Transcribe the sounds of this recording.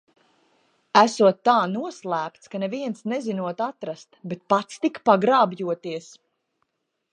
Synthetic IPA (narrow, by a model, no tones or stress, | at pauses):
æsuɔt̪ːaːnuɔslˠæːp̚t̪skanɛviɛnsnɛzinuɔt̪at̪ɾast̪bet̪̚pat̪st̪ikpaɡɾaːbjuɔt̪iəs